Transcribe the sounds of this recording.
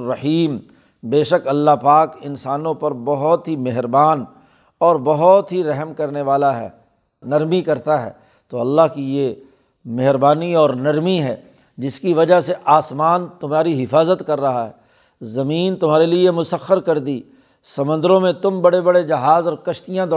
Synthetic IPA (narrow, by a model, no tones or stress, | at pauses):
ɐħiːm | beːʃəkɐlːaɦpaːkɪnsaːnõpɐɾbɐɦʊt̪ɦimeɦɾbaːn | ɔːɾbɐɦɔt̪ɦiɾɛɦmkɐɾneʋaːlaɦɛ̰ː | nɐɾmikɐɾt̪aɦɛ̰ː | t̪oːɐlːaɦkije | meɦɾbaːniɔːɾnɐɾmiɦɛː | d͡ʒɪskiʋɐd͡ʒaɦseʔaːsmaːnt̪ʊmɦaːɾiɦɪfaːzət̪kɐɾːɐɦaɦɛː | zɐmiːnt̪ʊmɦaːɾeliemʊsəxəɾkɐɾd̪iː | sɐmʊ̃nd̪əɾõmẽt̪ʊmbɐɽebɐɽed͡ʒɐɦaːzɔːɾkɐʃt̪ijãd̪ɔː